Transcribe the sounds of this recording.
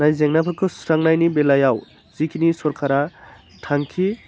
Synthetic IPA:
najzeŋnapʰɯɾkʰɯsɾaŋnajnibelajaw | z̥ikʰinisɔɾkʰaɾa | tʰaŋkʰi

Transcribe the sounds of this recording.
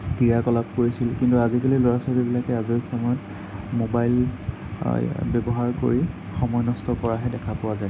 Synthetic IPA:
kijaɹkɔlap̚koɹisilkintuazikalilɔɹasabibilakɛaziɹxɔmɔjɔt | mobajl | bjɔbɔɦaɹko̰ɹi | xɔmɔjnɔstɔkɔɹaɦɛdɛkʰapʊwazaɛ

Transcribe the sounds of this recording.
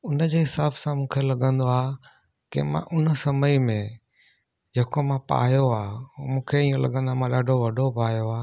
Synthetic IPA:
ʊnəd͡ʑeːɦɪsaːbsãmũːkʰelɐɠə̃nd̪oaː | kḛmã̰ʔʊnsɐməimẽ | d͡ʑeːkomãpa̰ːjoaːmũːkʰeiːõlɐ̰ɠə̃nd̪oaːmãɗaːɖʱoʋɐɖʱopaːjoaː

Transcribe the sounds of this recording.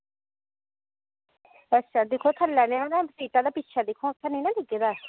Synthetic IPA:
ətːʃʰaːd̪ɪkʰːoːt̪ʰəlːɛːnẽãd̪aːsiːʈaːd̪aːpɪtːʃʰaːd̪ɪkʰːõːt̪ʰːanĩːnãːd̪ɪɡeːd̪aː

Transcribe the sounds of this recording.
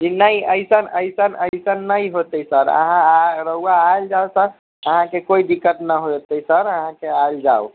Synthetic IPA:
kinəiəjsənəjsənəjsənːəjɦot̪əjsəɾə̰ɦãɾəɦuaːld͡ʒaosəɾ | əɦãkekoid̪ikːət̪nəɦot̪əjsəɾəɦãkeald͡ʒao

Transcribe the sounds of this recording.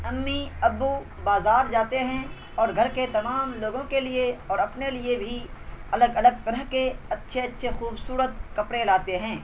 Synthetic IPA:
ɐmːiɐbːu | baːzaːɾd͡ʒaːt̪eɦɛ̃ | ɔːɾɡʱɐɾket̪ɐmaːmloːɡõkelieɔːɾɐpnelɪebʱiɐləɡɐləɡ̚t̪ɐɾəɦkeɐtːʃʰeɐtːʃʰexuːbsuːɾət̪̚kɐpɽelaːt̪eɦɛ̃ː

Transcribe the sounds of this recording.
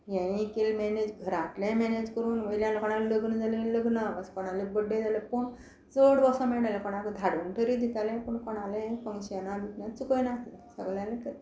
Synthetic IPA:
jãjikelmɛned͡ʑɡʱəɾat̪lẽmɛned͡ʑkəɾuːnʋəjljãnakɔɽ̃alləɡnəd͡zʱalelləɡnaʋəskɔɽ̃alebəɖːẽd͡zaləpoɳ | d͡zoɽʋəsãmɛɽalẽkɔɽ̃akd̪ʱaɽunʈʰəɾid̪ʱit̪alẽpəɳkɔɽ̃alẽpəŋɡɕjanad̪ʱit̪nãt͡sukəjnat̪lasəɡljãlẽkə

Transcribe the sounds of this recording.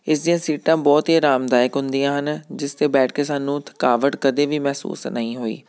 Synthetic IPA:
ɪs̬d̪ijãːsiːʈãːbɔːt̪iːɾaːmd̪aːjɪkɦʊ̃nd̪ijãːɦənd͡ʒɪst̪eːbɛːʈʰkeːsaːnːũːt̪ʰəkaːʋəʈkəd̪eːʋiːmɛːsṵːsnəĩːɦoːḭː

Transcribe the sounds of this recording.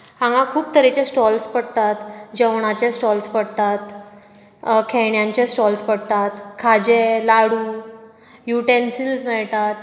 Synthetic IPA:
ãŋɡãkʰuːp̚t̪əɾet͡ɕẽsʈɔlspəɽt̪at̪d͡ʑəʋɳat͡ɕẽsʈɔlspəɽt̪at̪ | kʰɛɳjãɲt͡ɕesʈɔlspəɽt̪at̪kʰad͡ʑelaɽuː | juʈensilsmɛɭt̪at̪̚

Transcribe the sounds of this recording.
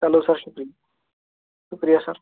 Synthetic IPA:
t͡salosaɾɕukɾijɐ | ɕukɾijasa̰ɾ

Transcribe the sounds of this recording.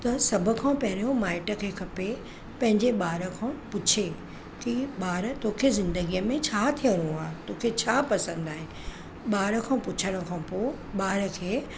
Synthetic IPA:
t̪ɐsɐbʱʊ̆kʰãːpɐɦɪɾijõmaːɪʈə̆kʰeːkʰɐpe | pɐ̃ɦɪ̃ɲd͡ʑeɓaːɾəkʰãpʊt͡ɕʰe | kiɓaːɾt̪oːkʰezɪ̃nd̪əɡijəmẽt͡ɕʰaːt̪ʰijəɾũaːt̪oːkʰet͡ɕʰaːpɐsə̃nd̪aːɦɪnɪ | ɓaːɾə̆kʰãːpʊt͡ɕʰəɽ̃ə̆kʰãpoː | ɓaːɾəkʰeː

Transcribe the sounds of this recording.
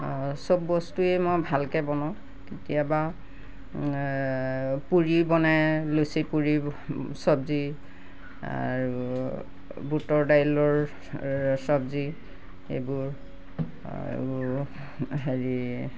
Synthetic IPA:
sɔbːɔstuemɔjbʱalkɛbɔnɔ̃ | tetijaba | puɹibɔnɛlusipuɹisɔbzi | a̰ɹu | butɔɹdajlɔɹ | sɔbzi | ḛbuɹ | ɦeɹi

